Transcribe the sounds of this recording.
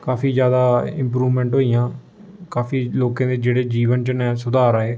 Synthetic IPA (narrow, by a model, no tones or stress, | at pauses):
kaːfʰiːzjaːd̪aːɪ̃mpɾuːʋmɛ̃ːɳʈɦoːijãː | kaːfiːloːkãːd̪eːd͡ʒeːɽeːd͡ʒiːʋənt͡ʃənɛ̃ːsʊd̪aːɾaːeː